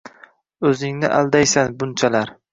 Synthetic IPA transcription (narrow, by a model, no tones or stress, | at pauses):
ɵzɪŋnɪ̰ʔald̪ajsanbʊnt͡ʃʰalaɾ